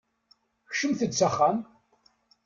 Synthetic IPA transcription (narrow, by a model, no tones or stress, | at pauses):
çʃəmθəd̪t͡sːaχːam